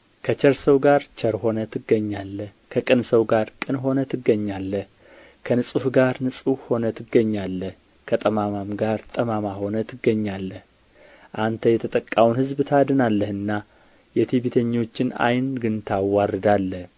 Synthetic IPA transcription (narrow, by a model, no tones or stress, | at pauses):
kʰət͡ʃəɾsəwɡaɾt͡ʃʰəɾho̞nət̪ʰɨɡːəɲːalːəh | kʰəkʼɨnsəwɡaɾkʼɨnɦo̞nət̪ʰɨɡːəɲːalːəh | kʰənɨsʼuhɡaɾnɨsʼuho̞nət̪ʰɨɡːəɲːalːəh | kʰət̪ʼəmamamɡaɾt̪ʼəmamaho̞nət̪ʰɨɡːəɲːalːəh | ʔant̪ʰəjɛt̪ʰət̪ʼəkʼːawnhɨzbt̪ʰad̪ɨnalːəhɨnːa | jɛt̪ʰiβet̪ʰəɲːo̞t͡ʃːɪna̰jnɡɨnt̪ʰawarɨd̪alːəh